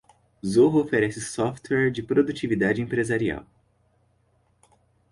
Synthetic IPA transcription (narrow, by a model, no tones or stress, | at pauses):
zoɦofeɾɛsɪsɔft̪wɛɾd͡ʒɪpɾod̪ut͡ʃivid̪ad͡ʒɪẽpɾezaɾia̰w